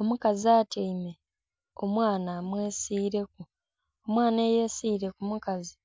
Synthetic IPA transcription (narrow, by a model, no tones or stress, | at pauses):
o̞mukaziaːtʰeime | o̞mwaːnamweːsiːɾe̞k̚u | o̞mwaːnejesiːɾe̞kumukazi